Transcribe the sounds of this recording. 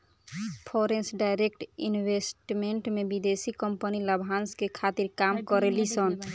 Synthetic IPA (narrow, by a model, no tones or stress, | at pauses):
pʰɔɾensɖajɾekʈinbesʈmeɳʈmebid̪esikəmpəniləbʱanskekʰat̪iɾkamkɔɾelisən